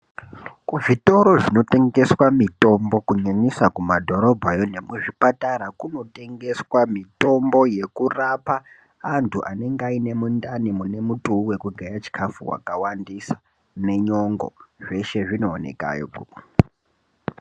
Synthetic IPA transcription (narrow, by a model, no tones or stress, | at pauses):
kuʐito̞ɾo̞ʐino̞te̞ŋɡe̞swamito̞mbo̞kuɲaɲisakumadʱo̞ɾo̞bʱajo̞ne̞muʐipataɾakuno̞te̞ŋɡe̞swamito̞mbo̞je̞kurapaː | ntʰuʔa̰ne̞ŋɡaine̞mundanimune̞mutʼuuwe̞kuɡʱajat͡ʃi̥kʰafuwa̰kawandisḁ | ne̞ɲoŋɡo̞̰ʐe̞ʃe̞ʐino̞ːne̞̰ka̰jo̰ɡu